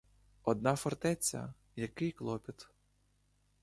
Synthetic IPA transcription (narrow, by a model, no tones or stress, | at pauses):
ɔd̪nɑfɔrt̪ɛt͡sʲːɐ̰ | jɐkɪjklˠɔpʲit̪